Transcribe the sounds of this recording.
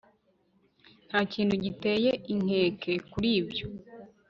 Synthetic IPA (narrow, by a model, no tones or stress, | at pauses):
n̥haːciːn̥huɟite̞ːje̞ʔiŋ̥he̞ːkʰe̞kuɾiːbjo